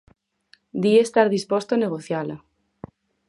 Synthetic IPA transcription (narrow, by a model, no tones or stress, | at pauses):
d̪iest̪aɾðispɔst̪oaneɣ̞oθjala